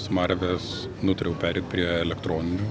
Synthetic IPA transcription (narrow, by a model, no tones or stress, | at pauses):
smɐɾʲʋʲɛs | nʊt̪ʊɾʲɛʊpʲæːɾʲɛɪt̪̚pʲɾʲiɛɛlʲɛkt̪ɾoːnʲɪnʲʊː